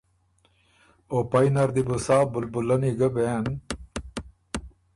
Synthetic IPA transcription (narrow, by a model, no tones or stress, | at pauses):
opainɐɾd̪ibusaːbulbulɐniɡɐben